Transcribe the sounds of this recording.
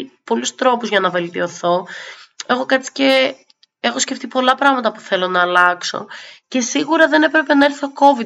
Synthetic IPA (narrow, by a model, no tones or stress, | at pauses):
po̞lust̪ɾo̞puzʝɐnɐve̞lt̪io̞θo̞e̞xo̞kɐt͡si̥ce̞ | exo̞sce̞ft̪ipo̞lɐpɾɐɣmɐt̪ɐpu̥θe̞lo̞nɐːlɐkso̞̰ce̞siɣuɾɐðe̞ne̞pɾe̞pe̞nɐeɾθoko̞vi